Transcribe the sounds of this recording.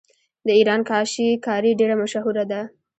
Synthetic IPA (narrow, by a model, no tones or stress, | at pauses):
d̪əiɾɑnkɑʃikɑɾiɖeɽamaʃaɦuɾad̪a